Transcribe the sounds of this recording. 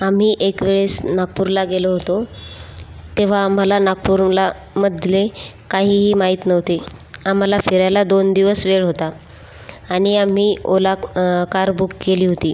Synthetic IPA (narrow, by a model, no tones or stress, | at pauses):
am̤iːʔekʋeɭesnaɡ̚puɾlaɡeloɦot̪o | t̪eʋ̤aːm̤alanaɡ̚puɾla | məd̪ʱle | kaɦiːɦiːmaɦiːt̪nəʋt̪eam̤alafiɾjalad̪ond̪iʋəsʋeɭɦot̪aː | ɽ̃iam̤iːolakaɾbukkːeliːɦot̪iː